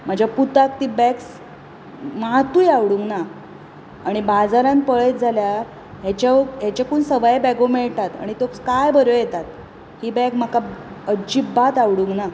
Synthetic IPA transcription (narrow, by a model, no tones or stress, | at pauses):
m̤əd͡ʑjaput̪ak̚t̪ibɛks | maɦt̪uːjaʋɽuŋɡnaː | ɽ̃ibad͡zaɾãnpəɭet̪̚d͡zʱalja | ɦet͡ɕaɦet͡ɕakuːnsəʋajebɛɡõmeɭʈ̪at̪a̰ɽ̃it̪okkajbəɾjojet̪at̪ | hiːbɛkm̤akaəd͡ʑibat̪aʋɽuŋɡna